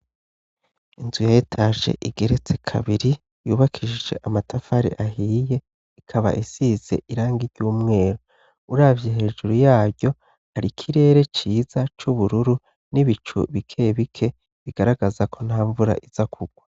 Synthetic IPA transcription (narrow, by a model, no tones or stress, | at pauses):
inzujajetʰaːʒe̞̰ʔiɡ̥e̞ɾe̞t͡se̞kʰa̰βiɾi | juːβakʰiʒiʒe̞̰ʔamatʰafaɾḭʔaɦiːje̞ | ikʰaβa̰ʔisize̞̰ʔiɾaːŋɡiɾɟuːmŋe̞ːɾo | uɾaːvjeɦe̞ːʒuɾujaːɾɟo̞ | haɾikʰiɾe̞ːɾe̞t͡ʃiːzat͡ʃuβuɾuɾu | niβit͡ʃṵβikʰeβikʰe̞ | βiɡ̥aɾaɡazakʰo̞n̥haːɱvuɾa̰ʔiz̥akʰuɡ̥wa